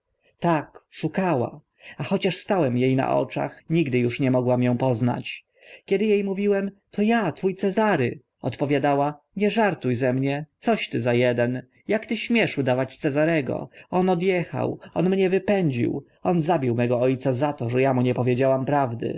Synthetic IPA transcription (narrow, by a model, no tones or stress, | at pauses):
t̪akʂukawa̰ | axɔt͡ɕaʂst̪awɛmjejna̰ʔɔ̰t͡ʂa̰xɲiɡd̪ɘjuʂɲɛmɔɡwamjɔ̃w̃pɔzna̰t͡ɕ | kʲɛd̪ɘjejmuvʲiwɛmt̪ʰɔjat̪fujt̪sɛzaɾɘ̰ | ɔt̪pɔvʲjad̪awa | ɲɛʐaɾt̪ujzɛmɲɛt̪sɔɕt̪ɘzajɛd̪ɛn | jakt̪ɘɕmʲjɛʂud̪avat͡ɕt̪sɛzaɾɛɡɔ̰ɔnɔd̪jɛxa̰wɔnmɲɛvɘpɛɲd͡ʑḭw | ɔnzabʲiwmɛɡɔɔjt̪sazat̪ɔʐɛjamuɲɛpɔvʲjed͡ʑawampɾavd̪ɘ̰